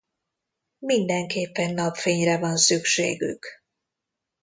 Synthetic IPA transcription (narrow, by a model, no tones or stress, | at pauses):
mind̪ɛŋkeːpːɛnːɒpfeːɲrɛvɒnsykʃeːɡy̰k